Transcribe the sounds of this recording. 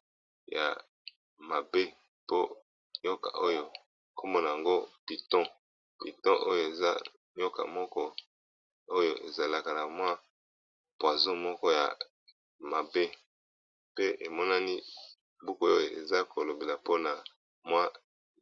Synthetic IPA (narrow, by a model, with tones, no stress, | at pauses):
ja̰˨ | ma˨be˦ | po˦ | jo˦ka̰˨ʔo˦jo˨ | ko˦mo˦na˨ja˨ŋɡo˦pi˨tɔ̃˦ | pi˨tɔ̃˦ʔo˦jo˦˨e˨za˦ | jo˦ka̰˨mɔ˦kɔ˦ | o˦jo˨ʔe˨za˨la˦ka˨na˨mwa˦ | pwa˨zõ˦mɔ˦kɔ˦ja̰˨ | ma˨be˦ | pe˦ʔe˨mɔ˦na˦ni˦ | bu˦ko˦o˦jo˨e˨za˦ko˨lo˨be˨la˨po˦na˨ | mwa˦